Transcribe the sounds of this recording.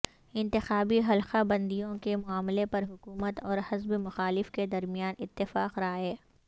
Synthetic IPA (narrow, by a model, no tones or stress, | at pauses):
ɪ̃nt̪ɪxaːbiɦɐlxabɐ̃nd̪ijõkemʊaːmlepɐɾɦʊkuːmət̪ɔːɾhɐzbmʊxaːlɪfked̪ɐɾmijaːnɪt̪ːɪfaːqɾaːɦɛː